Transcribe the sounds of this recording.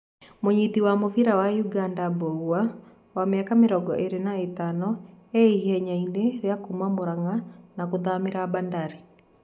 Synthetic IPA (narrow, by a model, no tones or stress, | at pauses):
moɲitiwamofiɾawajuɡandabowa | wameakameɾɔɡɔʔeɾenaetanɔeiɦɛɲaineɾeakumamoɾaŋanakoðameɾabandaɾi